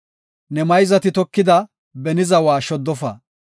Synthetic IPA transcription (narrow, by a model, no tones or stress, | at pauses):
nɛmɐjzɐt̪ɪt̪ɔkːɪd̪ɐ | bɛnɪzɐwaːʃɔd̪ːɔfɐ̰